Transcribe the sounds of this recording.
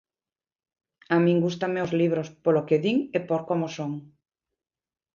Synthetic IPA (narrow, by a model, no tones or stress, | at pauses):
amĩŋɡust̪ameozliβ̞ɾospolokeðiŋepoɾkomosoŋ